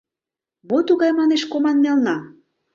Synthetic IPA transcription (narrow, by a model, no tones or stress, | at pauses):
mot̪uɣɑjmɑneʃkomɑnːelnɑ